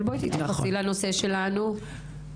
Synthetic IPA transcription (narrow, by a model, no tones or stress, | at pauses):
lboit̪it̪jaasilano̞se̞ʃe̞lanu